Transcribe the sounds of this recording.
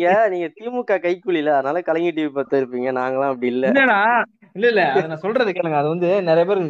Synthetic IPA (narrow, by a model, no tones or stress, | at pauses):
ŋɡɐniːŋɡɐt̪iːmɯkːaːkɐɪkːʊɭɪlɐɐðɯnaːlɐkɐlɐŋɡiʈ̬ːiːʋipɐɾt̪ɐɪɾɯpːiːŋɡɐnaːŋɡɐɭãːɐpːɐɽɪɪlːɐlːɐnãː | ɪlːɐɪlːɐɐðɯnãːsɔlɾɐðɯkːɐlɯŋɡɐɐðɯʋɐnd̪ɯnɛɾɐjɐpeːɾɯɣɯ